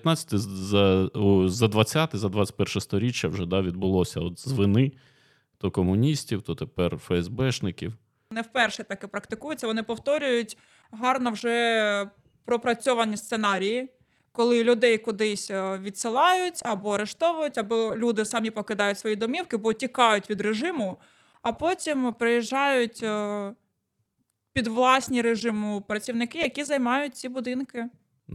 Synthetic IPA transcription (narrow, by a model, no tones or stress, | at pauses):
t̪nɑt͡sʲːɐ̥t̪ɪzɐuzɐd̪ʋɐt͡sʲːat̪ɪzɐd̪ʋɑt͡sʲt̚ʲpɛrʃɛst̪ɔɾʲit͡ʃʲjɐwʒɛd̪ɑʋʲid̪̚bʊlˠɔsʲɐɔt̪zʋɪnɪ | t̪ɔkɔmʊnʲisʲtʲiwt̪ɔt̪epɛrfɛɛzbɛʃnɪkʲiw | nɛwpɛrʃɛt̪ɐkɛpɾɐkt̪ɪkujʊt͡sʲːɐʋɔnɪpɔwt̪ɔɾʲʊjʊtʲ | ɦɑrnɔwʒɛ | pɾɔpɾɐt͡sʲɔʋɐnʲist̪senɑɾʲiji | kɔlˠɪlʲʊd̪ɛjkʊd̪ɪsʲʋʲid̪sɪlˠɑjʊtʲɐbɔɐɾeʃt̪ɔʋʊjʊtʲɐbɔlʲud̪ɪsɑmʲipɔkɪd̪ɑjʊtʲsʋɔjid̪ɔmʲiwkɪbɔtʲikɑjʊtʲʋʲid̪ɾeʒɪmʊ | ɐpɔtʲimpɾɪjiʒːɑjʊtʲ | pʲid̪ʋlˠɑsʲnʲiɾeʒɪmʊpɾɐt͡sʲiʋwnɪkɪjɐkʲizɐjmɑjʊt̚ʲt͡sʲibʊd̪ɪnkɪ